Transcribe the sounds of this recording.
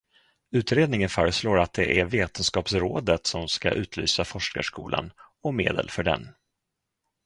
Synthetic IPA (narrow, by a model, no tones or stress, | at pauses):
ʉ̟ːt̪ɾeːd̪nɪŋənfœːɾəsloːɾat̪̚d̪ɛ̰ʔæɾveːt̪ənskɑːpsɾoːd̪ət̪sɔmska̰ʔʉ̟ːt̪ʰly̰ːsafɔʂka̰ʂkuːlʔa̰nɔmḛːd̪ə̰lfœɖɛ̰n